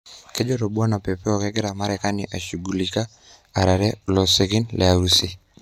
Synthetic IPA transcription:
ke˦d͡ʒo˦ɾo˨bwa˦na˨pɛ˨pɛ˦ɔ˨kɛ˦ɡɪ˦ɾa˨ma˦ɾɛka˦nɪ˨ʔa˨ʃu˨ɡu˨li˨ka˦ | a˨ɾa˨ɾɛ˦lɔ˨se˨ɡi˦nlʔɛ˨a˨usi˦

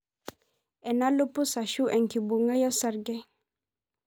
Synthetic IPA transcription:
ɛ˨na˦lu˦pu˦sa˨ʃu˦ʔɛ˨ŋkibu˨ŋə˦jɔ˦saɾɡe

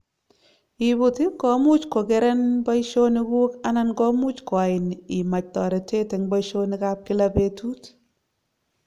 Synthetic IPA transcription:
i˨bu˨ti˦kɔ˨mu˦t͡ʃko˨kɛ˦ɾɛ˦nbɔ˦jʃo˦ni˦ɡu˦ka˦na˦nɡɔ˦mu˦t͡ʃko˨a˨ɪ˨ni˨ma˨t͡ʃ̚tɔ˨ɾɛ˨te˦tɛ˨ŋbɔ˦jʃo˦ni˦ka˦p̚kɪ˦la˦be˦tu˦t

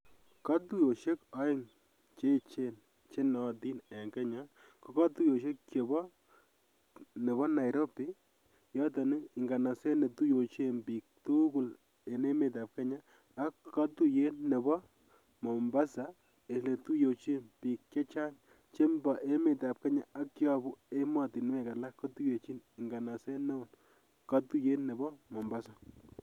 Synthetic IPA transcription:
ka˦tu˦jo˨ʃe˦kɔ˦ɪ˦ŋ | t͡ʃe˦˨t͡ʃe˦n | t͡ʃe˦nɔ˨ti˦nɛ˨ŋke˦ɲa˦ | ko˨˦kɔ˦tu˦jo˨ʃ̬e˦kkjo˨bɔ˦ | ne˨bɔ˦na˨jɾo˦pi˦ | jɔ˦tɔ˨ni˦ɪ˨ŋɡa˨na˨se˦ne˨tu˦jo˨t͡ʃe˦mbi˨k̚tu˦ɡu˦˨l | e˨ne˦me˨ta˨p̚ke˦ɲaː˦˨˦ | kːɔ˦tu˦je˦nːe˨bɔ˦ | mɔ˨mba˦sa˨ | e˨le˨tu˦jo˨t͡ʃe˦npiː˨kt͡ʃe˦t͡ʃa˦ŋ | t͡ʃe˦mba˨ʔe˦me˨ta˨p̚ka˦ɲa˨a˦kːjɔ˨bʊ˦e˦ma˨ti˨nwɛ˦˨ka˨la˦kːɔ˦tu˦je˨t͡ʃi˦nɪ˨ŋɡa˨na˨sɛ˦nɛ˦˨n | ka˦tu˦je˦nːe˨bɔ˦mɔ˨mba˦sa˨

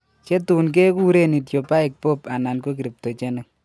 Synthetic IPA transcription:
t͡ʃe˦tu˨nk̬e˦ku˦ɾe˦ni˨tjo˨pa˦i˨k̚po˦pa˨na˨nko˦k̬iɾi˨p̚to˨t͡ʃe˦ne˦

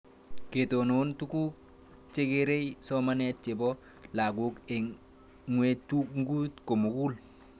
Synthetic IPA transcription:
ke˨to˨no˨ntu˦ku˦k̚ | t͡ʃe˦ɡe˦ɾe˦jso˦mane˦t̚t͡ʃe˨bɔ˦ | la˨ɡu˦ke˨ | ŋwe˦tuŋ˦ɡu˦tko˨mu˨ɡu˦l

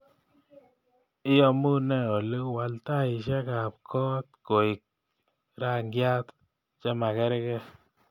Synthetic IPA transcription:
ɪ˦jɔ˦mu˦nɛ˦ɔ˨lo˦wa˨lt̪a˦˨ɪ˨ʃɛ˦ka˨p̚kʰɔ˦t̪̚ko˨ɪ˨k̚ | ɾa˦ŋɡja˦t̪ | t͡ʃɛ˦ma˨kɛ˦ɾɛ˦kɛ˦

